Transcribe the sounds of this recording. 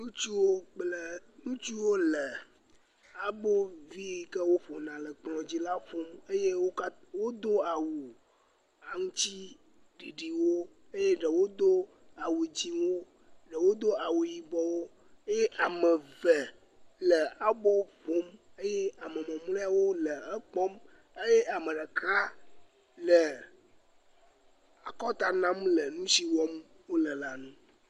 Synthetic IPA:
nũ˦t͡ʃu˦wo˦k͡plə˨nũ˦t͡ʃu˦wo˦lə˨ | a˨bo˦vi˦i˨kə˦wo˦ɸo˨nã˨lə˨k͡plɔ̃˨d͡ʑi˦la˦ɸo˦me˦je˦wo˦ | wo˦d̪o˦a˨wu˨ | a˨ŋũ˦t͡ɕi˦ | ɖi˨ɖi˨wo˦ | e˦je˦ɖə˨wo˦d̪o˦ | a˨wu˨d͡ʑi˦wo˦ | ɖə˨wo˦d̪o˦a˨wu˨ji˨bɔ˨wo˦ | e˦je˦ʔa˨mə˨və˨ | lə˨a˨bɔ˦vo˦m | e˦je˦a˨mə˨mɛ̃˨m˦le˦a˦wo˦lə˨ɛ˦k͡pɔ˦m | e˦je˦ʔa˨mə˨ɖə˨kɾa˦ | lə˨ | a˨kɔ˦t̪a˨nã˦mlə˨nũ˦si˦wɔ˦m | wo˦lə˨la˨nũ˦

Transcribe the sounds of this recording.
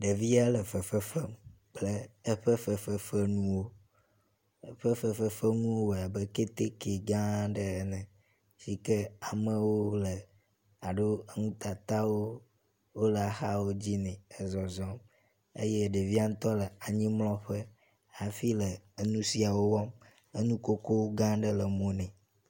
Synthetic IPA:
ɖe˨vi˦a˦lə˨fə˨fə˦fɛ˦m | k͡plə˦ə˦ɸə˦fə˦fə˦fə˦nũ˦wo˦ | ɸə˦fə˨fə˦fə˦ŋũ˦wo˦wa˨bə˦ke˦t̪e˦ke˨ɡã˦ɖə˨˦nɛ̃˨ | si˦kɛ˦a˨mə̃˦wo˦lə˨ | a˨ɖo˦ŋũ˦t̪a˨t̪a˦wo˦ | wo˦lə˨a˨xa˦wo˦d͡ʑi˦nɛ̃˨ə˨zɔ˨zɔ˦m | ḛ˦je˦˨ɖe˨vi˦a˦ŋũ˦t̪ɔ˦lə˨a˨ɲĩ˦mlɔ̃˦ɸə˦ | a˨fi˦lə˨ə˦nũ˦si˨a˨wo˦wɔ˦m | ə˦nũ˦ko˦ko˦wo˦ɡã˦ɖə˦lə˨mõ˦nɛ̃˨

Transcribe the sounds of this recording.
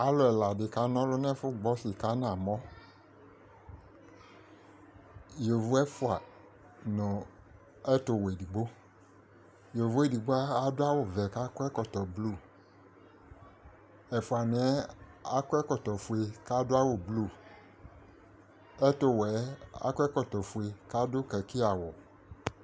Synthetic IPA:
a˦lʊ˨˦ɛ˨la˨dɪ˨ka˨˦nɔ̃˦lʊ˦n˦ɛ˦fʊ˦ɡ͡bɔ˦sɪ˨ka˦n˦ã˨mɔ̃˦ | jo˨vʊ˦ɛ˦fʊ˦a˨ | nʊ˨ | ɛ˦tʊ˨we˨di˨ɡ͡bo˦ | jo˨vʊ˦ɛ˦di˨ɡ͡bo˦a˦a˦dʊ˦a˦wʊ˨vɛ˨ka˦kɛ˦kɔ˨tɔ˨blu˦˨ | ɛ˨fʊ˨a˨nɪ˨˦ɛ˦a˦kʊ˦ɛ˦kɔ˨tɔ˨fu˨e˨ka˦dʊ˦a˦wʊ˨blu˦˨ | ɛ˦tʊ˦wɛ˨˦a̰˦kɛ˦kɔ˨t̪ɔ˨fu˨e˨ka˦dʊ˦kɛ˨ki˦a˨wɔ˨

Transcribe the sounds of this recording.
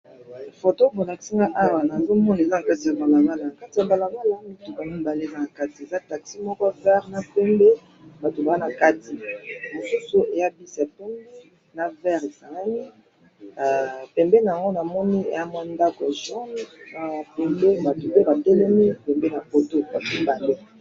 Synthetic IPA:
fo˨to˦bo˨la˨ki̥˦si˦ŋɡa˦ʔa˦wa˨na˨zo˦mɔ˦na˨e˨za˦na˨ka˦ti˨a˨ba˨la˨ɡa˦la˨na˨ka˦ti˨ja˨ba˨la˨ŋɡa˦la˨˦mi˦tu˨ba˨mi˦m˨ba˨le˦˨za˦na˨ka˦ti˨e˨za˦ta˨ksi˦mɔ˦kɔ˦vɛ˦ʁna˨pɛ˦mbe˦ | ba˨to˨ba˨a˦na˨ka˦ti˨mo˨su˦su˦ʔe˨ja˦bi˦sa˨pɛ˦me˦ | na˨vɛ˦ʁe˨sa˨la˦ni˦˨ | pɛ˨mbe˦na˨a˨ŋɡo˦na˨mɔ˦ni˦ḛ˨ja˦m˦a˦nda˦kɔ˨ʒɔ˦nna˨pɛ˨mbe˦ba˨to˨be˦ba˨tɛ˦lɛ˦mi˦pɛ˨mbe˦na˨po˨to˦˨ba˨ki˦ba˨le˦

